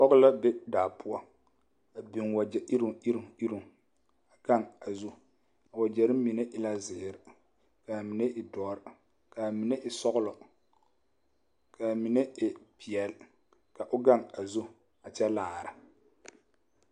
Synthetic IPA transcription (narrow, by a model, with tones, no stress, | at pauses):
pɔ˦ɣʊ˦la˦bɛ˦daː˨pʰʊ˦ɔ˦ | a˨bi˨ŋwa˨d͡ʒɛ˨ʔi˦ɾi˦ɾi˦ɾu˦˨ŋ | a˨ɡ̥a˦˨ŋa˨zu˦ | a˨wa˨d͡ʒɛ˨ɾɪ˦m˦mi˨ne˦ʔɪ˦la˦zɪː˨ɾɪ˨ | ka˨mi˨ne˦ʔɪ˨dɔː˦ɾɪ˨ | ka˨mi˨ne˦ʔɪ˨sɔ˦ɣʊ˦lɔ˨ | kʰa˨mi˨ne˦ɪ˨pi˨ɛ˨lɪ˦ | ka˨ʔʊ˦ɡa˦˨ŋa˨zu˦ | a˨t͡ʃɛ˦laː˨ɾɪ˨